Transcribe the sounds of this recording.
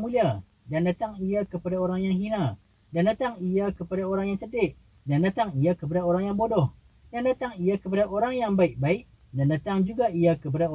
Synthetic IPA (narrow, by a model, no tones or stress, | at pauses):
mulia | dandat̪aŋiakəpadaoɾaŋjaŋɦinã | dandat̪aŋiakəpadaoɾaŋjaŋsədɪʔ | dandat̪aŋijakəp̬adaoɾaŋjaŋbodɔh | dandat̪aŋijakəp̬adaʔoɾaŋjaŋbaɪʔ̚baɪʔ | dandat̪aŋd͡ʒuɡaijakəp̬adao